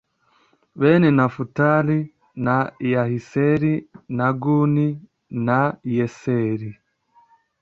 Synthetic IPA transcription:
βeːnenafutaɾi | najahiseɾinaɡuni | najeseɾi

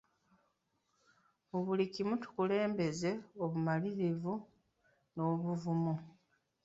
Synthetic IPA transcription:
muβulikimutu̥kule̞ːmbe̞ze̞oβumaliɾivu | no̞ːβuvumu

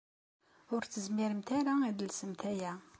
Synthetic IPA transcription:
ʊɾt͡sːəzmiɾəmt̪æɾaid̪əlsəmt̪æjæ

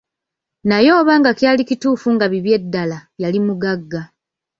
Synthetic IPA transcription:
najo̞ːβaŋɡakjaːlicituːfuŋɡaβiβje̞dːalaβjalimuɡaɡːa

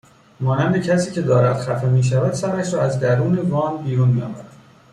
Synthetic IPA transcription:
mɒːnænd̪ecʰæsiːcʰe̞d̪ɒːɾæd̪xæfemiːʃ̬ævæd̪̥sæɾæʃɾɒːæzd̪æɾuːne̞vɒːnbiːɾunmijɒ̰ːvæɾæd̪̥

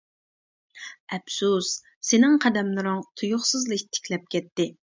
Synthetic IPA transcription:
ɛpsus | senɪŋqʰɑd̪ɛmlˠɨɾʊŋt̪ʰujʊχsɨzlˠɨkʲt̪ʰɪ̥kʲlɛp̚kʲɛtp̪ːɪ

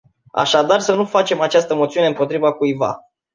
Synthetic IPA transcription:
a̰ʃad̪arsənufat͡ʃe̞mat͡ʃast̪əmot̪siuneɨmpo̞t̪ɾivakujva̰

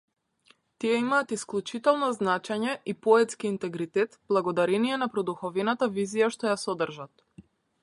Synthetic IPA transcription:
t̪ijɛimaːt̪isklˠut͡ʃit̪ɛlˠnɔznat͡ʃɛɲɛʔipɔɛt̪skiːnt̪ɛɡɾit̪ɛt̪b̥lˠaɡɔd̪aɾɛnijɛnapɾɔd̪uxɔvɛnat̪avizijaʃt̪ɔjasɔd̪r̩ʒat̪

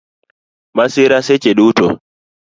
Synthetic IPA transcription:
masɪɾaset͡ʃeɗutɔ̰

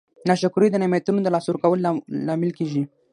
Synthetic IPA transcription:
naʃakuɾid̪ənamjat̪unod̪əlɑsuɾkawəllɑmɪlkeʒi

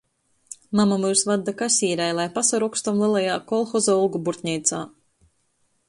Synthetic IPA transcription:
mamamujsvad̪ːakasʲiːɾajlˠajpasaɾɔkst̪ɔmlˠɛlˠajaːkɔlˠxɔzɔulˠɡubuɾt̪ʲnʲɛjt̪saː

